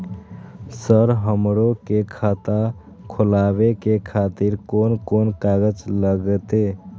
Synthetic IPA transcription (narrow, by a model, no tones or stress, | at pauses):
səɾɦəmɾokekʰat̪a | kʰolaβekekʰat̪iɾkonkonkaɡəd͡ʒləɡət̪e